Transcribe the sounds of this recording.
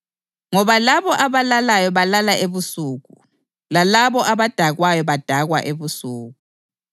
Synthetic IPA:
ŋɔβalaβɔʔaβalalajɔβalalaʔeβusuːɣu | lalaβɔʔaβad̥ʱaɣwajɔβad̥ʱaɣwa̰ʔeβusuːɣu

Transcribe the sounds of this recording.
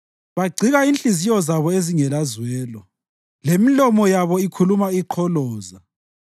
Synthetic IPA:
βaɡ͡ǀʱiɣainɬʼizijɔzaβɔeziŋɛlazwɛːlɔ | lemilɔmɔjaβɔikʰulumaiǃʰɔlɔːza

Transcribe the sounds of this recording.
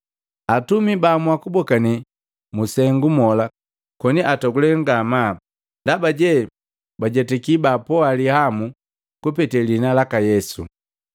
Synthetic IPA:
atumibamwakubɔkani | musɛŋɡumɔla | kɔniʔatɔɡulɛŋɡama | ndabaɟɛ | baɟɛtɛkibapɔalihamu | kupɛtɛlinalakajɛsṵ

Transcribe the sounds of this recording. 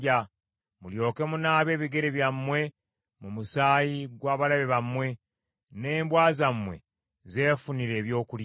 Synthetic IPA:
a | muljo̞ːke̞munaːβe̞ːβiɡe̞ɾeβjamːwe̞ | mumusaːjiɡwaːβalaβeβamwe̞ | ne̞ːmbwaːzamwe̞̰ | ze̞ːfuniɾe̞ːβjo̞ːkul

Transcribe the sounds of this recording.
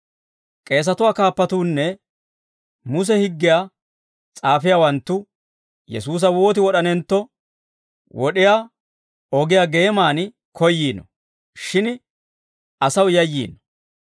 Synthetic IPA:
kʼe̞ːs̬ɐt̪ʊwaːkaːpːɐt̪uːnːɛ | mʊs̬ɛhɪɡːɪjaː | t͡sʼaːfɪjaːwɐnt̪ːʊ | jɛ̰suːs̬ɐwo̞ːt̪ɪwɔɗɐnɛnt̪ːɔ | wɔɗɪjaː | ɔɡɪjaːɡe̞ːmaːn | kɔjːiːnɔ̰ | ʃɪn | ʔɐsɐwjɐjːḭːnɔ̥

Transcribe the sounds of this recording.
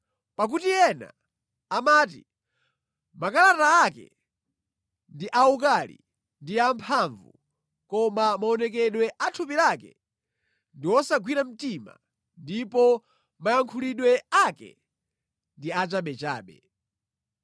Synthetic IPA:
pak̬utiɛna̰ː | maːtḭ | makalataːkɛ̰ | ndiʔaukalḭ | ndiampʰaɱvṵ | kɔmamaɔnɛk̬ɛɗwɛʔatʰupilakɛ̰ | ndiwɔsaɡwiɾam̩tima̰ | ndipɔ | majaŋkʰuliɗwɛakɛ̰ | ndiat͡ʃaɓɛt͡ʃa̰ːɓɛ̰

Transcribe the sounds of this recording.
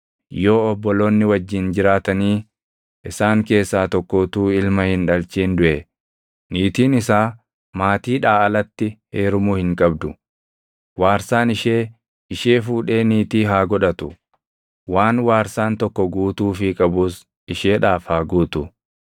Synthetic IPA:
jo̞ːɔbːɔlo̞ːnːɪwɐd͡ʒːɪnd͡ʒɪɾaːt̪ɐniː | ʔɪsaːŋke̞ːsːaːt̪ɔkːoːt̪uːɪlmɐhɪnᶑɐlt͡ʃiːnd̪ʊʔɛ | niːt̪iːnɪsaː | maːt̪iːᶑaːɐlɐt̪ːɪheːɾʊmuːhɪŋkʼɐbd̪ʊ | waːɾsaːnɪʃe̞ː | ɪʃeːfuːᶑe̞ːniːt̪iːɦaːɡɔᶑɐt̪ʊ | waːnwaːɾsaːnt̪ɔkːɔɡuːt̪uːfɪkʼɐbuːs | ɪʃeːᶑaːfhaːɡuːt̪ʊ

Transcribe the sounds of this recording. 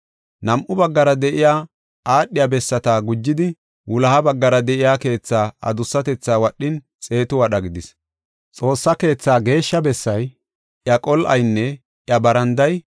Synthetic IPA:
nɐmʔʊbɐɡːɐɾɐd̪ɛʔɪjaː | ʔaːɗːɪjabɛsːɐt̪aːɡʊd͡ʒːɪd̪ɪ | wʊlɐhɐbɐɡːɐɾɐd̪ɛʔɪjaːke̞ːt͡sːaːɐ̰d̪ʊsːɐt̪ɛt͡sːaːwɐɗːɪn | t͡sʼe̞ːt̪ʊwɐɗɐɡɪd̪ɪs | t͡sʼo̞ːsːɐke̞ːt͡sːaːɡe̞ːʃːɐbɛsːɐj | ʔjɐkʼɔlʔɐ̰jnːɛ | ʔjɐbɐɾɐnd̪ɐj

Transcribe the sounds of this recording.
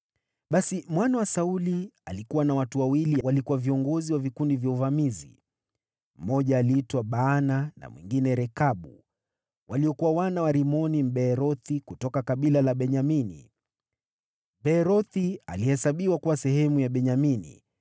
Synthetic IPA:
ɓasimwanawasaulia̰likuwanawatuwawiliwalikuwaviɔŋɡɔziwavikundivjauvamizḭ | m̩mɔʄaːliːtwaɓaːnana̰mwḭŋɡinɛɾɛkaɓṵ | wʔaliɔkuwawanawaɾimɔnim̩ɓɛɾɔθikutɔkakaɓilalaɓɛɲaminḭ | bɛɾɔθia̰lihɛsaɓiwakuwasɛhɛmujaɓɛɲaminḭ

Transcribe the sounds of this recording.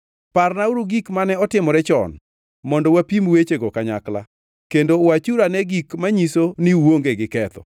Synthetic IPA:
parnauɾuɡikmanɛɔtɪmɔɾɛt͡ʃɔ̰n | mɔndɔwapimwet͡ʃeɡɔkaɲa̰kla̰ | kendowat͡ʃuɾanɛɡikmaɲisoniwoŋɡeɡɪkɛt̪ɔ̰

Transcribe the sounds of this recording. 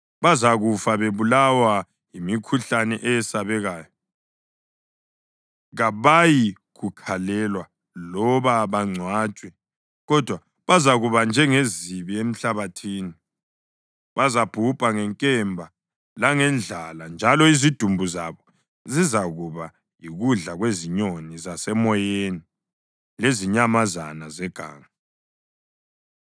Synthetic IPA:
βazaɣufaβeβulawa | jimikʰuɬanɛ̰ʔɛjɛsaβɛɣaːjɔ | ɣaβaji | ɣukʰalɛlwa | lɔβaβaŋ͡ǀʱwaːt͡ʃʼwɛ | ɣɔd̥ʱwa | βazaɣuβand͡ʒʱɛŋeziβiem̩ɬaβatʰiːni | βazab̥ʱupʼaŋɛŋkʼɛmbʱa | laŋɛnd͡ɮʱaland͡ʒʱalɔizid̥ʱumbʱuza̰βɔ | zizaɣuβa | jiɣuɮaɣweziɲonizasɛmɔjeni | leziɲamaza̰nazɛɡ̥ʱa̰ːŋa

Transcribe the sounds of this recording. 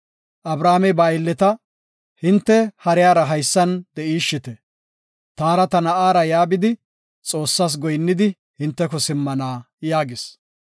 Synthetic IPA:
ʔɐbɾaːmɛbaːɪlːɛt̪ɐ | hɪnt̪ːɛhɐɾɪjaːɾɐɦɐjsːɐnd̪ɛʔiːʃːɪt̪ɛ | t̪aːɾɐt̪ɐnɐʔaːɾɐjaːbɪd̪ɪ | t͡sʼo̞ːsːaːs̬ɡɔjnːɪd̪ɪ | hɪnt̪ːɛkɔsɪmːɐnaː | jaːɡɪs

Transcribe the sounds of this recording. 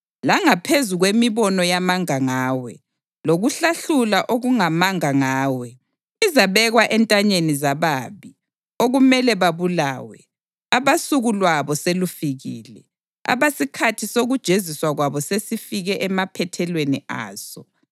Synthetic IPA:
laŋapʰezuɣwemiβɔnɔjamaŋaŋaːwɛ̰ | loɣuɬaɬulaʔoɣuŋamaŋaŋaːwɛ | izaβɛɣwaʔɛntʼaɲenizaβaːβi | oɣumɛlɛβaβula̰ːwɛ̰ | aβasuɣulwaβɔselufiɣḭːlɛ̰ | a̰βasikʰatʰisoɣud̥ʒ̥ʱeziswaɣwaβɔsesifiɣɛʔɛmapʰɛtʰɛlwenia̰ːsɔ

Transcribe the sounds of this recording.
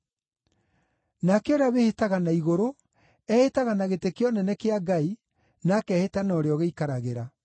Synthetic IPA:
nakeoɾeaβehetaɣanaiɣoɾo | ɛhetaɣanaɣetekeɔnɛnɛkeaɡai | nakɛhetanaɔɾeɔɣeikaɾaɣeɾa

